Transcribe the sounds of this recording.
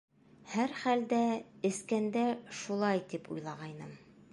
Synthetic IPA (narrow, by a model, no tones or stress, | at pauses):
hæɾχæld̪æɘ̆skænd̪æʃulˠɑjt̪ipṵjlˠɑʁɑjnɤm